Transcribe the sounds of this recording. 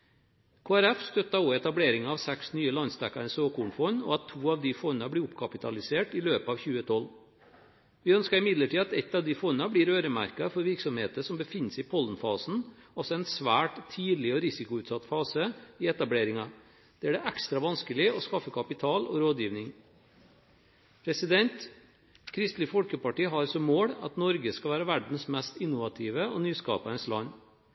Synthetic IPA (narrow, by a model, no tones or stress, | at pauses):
kʰoːæɾɛfst̪œt̪ːɑɔɛt̪ɑbleːɾɪŋɑɑːʋsæksnyːəlɑnsd̪ækːɑɳəsoːkuːɳfɔnɔ̰ɑt̪ʰːuːɑʋd̪ɪfɔnɑblɪːʊpːkʰɑpɪt̪ʰɑlɪseːʈɪløːpɑʋçʉːət̪ʰɔlː | ʋɪœnskɑɾɪmɪd̪ləʈʰiːɑt̪ɛt̪ːɑʋd̪ɪfɔnːɑbliːɾøːɾəmæ̰ɾkɑfɔɾʋɪɾksɔmheːt̪əʂɔmbəfɪnːəsɪpʰɔlənfɑːsn̩ɔsɔɛɪnsʋæːʈt̪ʰiːd̪lɪɔɾɪsɪkʊʉːt̪sɑt̪fɑːsəɪɛt̪ɑbleːɾɪŋɑ | d̪̥ɛæɖɛʔækst̪ɾɑʋɑnskəlɪɔskɑfːəkʰɑpɪt̪ʰɑːlɔ̰ɾoːd̪jiːʋnɪŋ | pʰɾɛsɪd̪ɛnt̪ | kʰɾɪst̪lɪfɔlkəpɑʈiːɦɑɾsɔmːoːɽɑ̰t̪nɔɾɡəskɑʋæːɾɑʋæɖɳ̩smɛst̪ɪnːʊʋɑt̪ʰiːʋəɔnyːskɑ̰ːpɑənslɑ̰nː